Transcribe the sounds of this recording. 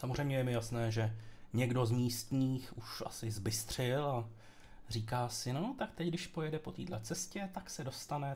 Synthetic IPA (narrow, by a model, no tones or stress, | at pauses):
samozrɛjmɲɛjɛmɪjasnɛːʒɛɲɛɡdo̞zmiːst̪ɲiːxuʃʔa̰sɪzbɪst̪r̝̥ɪla | r̝iːkaːsɪnot̪akt̪ɛcɡdɪʃpojɛdɛpo̞t̪ḭːdlɛt͡sɛscɛt̪aksɛdo̞st̪anɛ